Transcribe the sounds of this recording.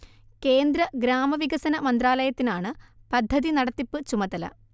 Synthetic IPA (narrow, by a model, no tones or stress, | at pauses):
ke̞ːnd̪ɾɐɡɾaːmɐʋiɡɐsɐnɐmɐnd̪raːlɐjɐt̪ːinaːɳɨpɐd̪ʱːɐðinɐɽɐt̪ːipːɨt͡ɕumɐðɐlɐ̰